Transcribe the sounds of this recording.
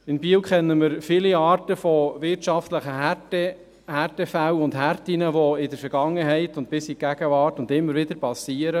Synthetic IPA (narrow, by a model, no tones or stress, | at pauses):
ɪnbiːwkʰχɛnːəmɪɾfiliɑːtəfɔʋɪɾtʃɑftləχəɦætɛ | hærtɛfæwʊndhæɾtinəʋɔɪdəɾfɛɾɡ̥ɑŋːəɦɛɪtʊntpɪsiɡ̥æɡ̥əʋɑːɾtʊndɪmːəɾʋɪdəɾpɑsiːəɾə